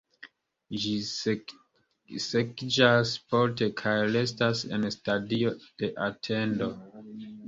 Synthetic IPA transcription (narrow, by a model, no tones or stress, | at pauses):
d͡ʒi | sekd͡ʒaspolte̞kʰajɾe̞stase̞̰nstadio̞d̥e̞ʔatʰe̞ndo̞